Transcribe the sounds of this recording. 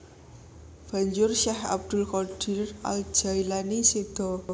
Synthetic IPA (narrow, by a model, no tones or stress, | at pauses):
b̥a̤ɲd͡ʒʊrʃɛha̰b̚d̪̥ʊ̤lkɔɖ̥i̤ra̰ld͡ʒ̥a̤ilanisid̪̥ɔ